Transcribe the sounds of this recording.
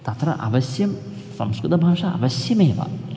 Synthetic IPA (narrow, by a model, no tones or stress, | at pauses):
t̪ɐt̪ɾɐ̰ʔɐ̰ʋɐsjɐm | sɐ̰mskɾɨt̪ɐbʱaːʂaɐ̰ʋɐsjɐmeːʋa̰